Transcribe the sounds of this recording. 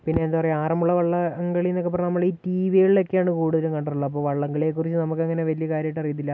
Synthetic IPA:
pinːe̞ːnd̪apɐrɐjaːrɐmuɭːɐʋɐɭːɐŋɡɐɭijnːokːepːɐrɐnɐmːɐɭiːtiʋijiɭlekːeaːɳɨkuːɽuðɐlukɐɳɖɐruɭːɐɐp̬ːo̞ːʋɐɭːɐŋɡɐɭekːurit͡ɕːɨnɐmuk̬ːeŋːɐneʋɐlijɐkaːɾjɐjiʈːɐrijɐt̪̬ːilːɐ

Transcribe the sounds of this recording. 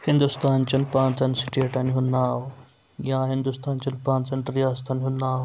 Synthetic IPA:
hĩnd̪ust̪aːnt͡ɕɐnpãːnt͡sɐnsi̥ʈieʈɐnɦunːaːw | jãɦĩnd̪ust̪aːnt͡ɕɐnpãːnt͡sɐnɾijaːst̪ʰɐnɦunːaːw

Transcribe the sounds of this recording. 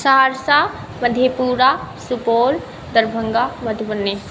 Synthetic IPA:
saɦaɾsa | məd̪ʱjepuːɾasupoːl | d̪əɾbʱəŋɡaməd̪ʱbənːe

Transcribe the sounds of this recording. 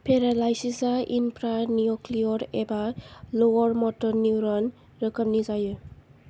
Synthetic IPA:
pʰeɾalajsisaʔḭnpɾanijɔkliɔɾebalowɔɾmɔtɔɾnuɾɔn | ɾəkəmnizajɯ

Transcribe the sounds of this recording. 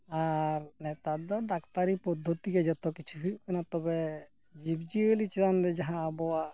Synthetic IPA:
aɾnɛt̪ad̪ɔɖakt̪aɾipɔd̪ʱːot̪ikɛd͡ʒɔt̪ɔkit͡ʃʰufiɾiʔ̚kɛnat̪ɔbɛ | d͡ʒibd͡ʒielit͡ʃiɾanɾɛd͡ʒaɦãabɔwa

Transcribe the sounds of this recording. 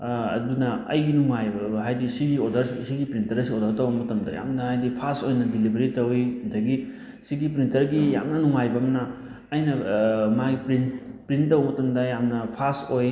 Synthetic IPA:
ɐ̰dunɐɐ̰jɡinuŋajbɐɦajdisiɡiodɐɾisiɡipɾintɐɾɐsiodɐɾtɐwbɐmɐtɐmdɐ̰ja̰mnɐhajdipʰastojnɐdilibʱɐɾitɐwidɐɡi | siɡipɾintɐɾɡija̰mnɐnuŋajbɐmɐnɐ | ɐjnɐmaɡipɾinpɾintːɐwbɐmɐtɐmdɐjamnɐpʰastoj

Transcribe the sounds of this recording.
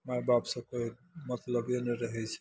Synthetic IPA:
majbapsə̃koimət̪ləbenəɾəɦɛt͡ʃʰɛ̥

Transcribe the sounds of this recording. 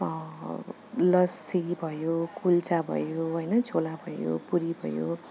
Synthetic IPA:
lʌsibʱʌjokʰult͡sabʱʌ̰joɦʌjnʌt͡sʰolabʱʌjo̰puɾibʱʌ̰jo̰

